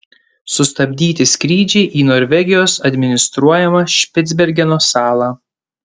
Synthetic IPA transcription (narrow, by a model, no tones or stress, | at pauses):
sʊst̪ɐbʲd̪ʲiːt̪ʲɪsʲkɾʲiːd͡ʒʲɛɪʔiːnoːɾʲʋʲɛɡʲɪjoːsɐd̪ʲmʲɪnʲɪst̪ɾuɔjɛmɐʃʲpʲɪt̪d̪zʲbʲɛɾʲɡʲɛnoːsɑːlˠɑ